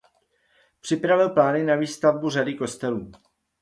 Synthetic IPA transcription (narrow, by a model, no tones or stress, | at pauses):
pr̝̥ɪpɾavɪlplaːnɪnaviːst̪avburadɪko̞st̪ɛluː